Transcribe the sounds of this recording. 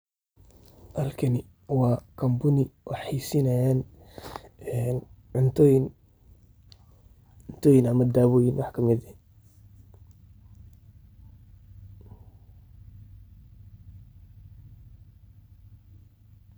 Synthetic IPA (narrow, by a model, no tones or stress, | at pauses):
ʔɐlkʰɐnɪ | wɑːkʰɐmbʊnɪwʔɑ̰ħiːsɪnɐjaːn | ɛn | ʕʊnt̪ʰɔjn | ʊnt̪ʰɔːjɪnɐmɐd̪aːβɔːjɪnwɑħkʰɐmɪd̪ɛ